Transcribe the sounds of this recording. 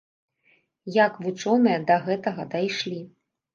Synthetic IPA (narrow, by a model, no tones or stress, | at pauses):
jakvut͡ʂɔnɨjɐd̪ɐɣɛt̪ɐɣɐd̪ajʂlʲi